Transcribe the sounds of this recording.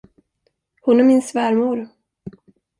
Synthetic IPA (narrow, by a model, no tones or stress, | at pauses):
hʊnæɾmɪnsvæːɾmuːɾ